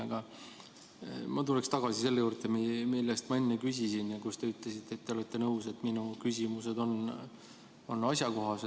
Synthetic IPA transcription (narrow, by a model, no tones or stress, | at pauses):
ɑɡ̥ɑ | mɑt̪ulekst̪ɑɡ̥ɑsise̞lːejuːrd̪emimilːest̪mɑe̞nːekysʲisinjɑkust̪e̞yt̪lesit̪ːˑet̪ːeolet̪ːe̞nɤuse̞t̪ːminukysʲimuse̞d̪o̞n | o̞nːɑsʲjɑko̞ɦɑse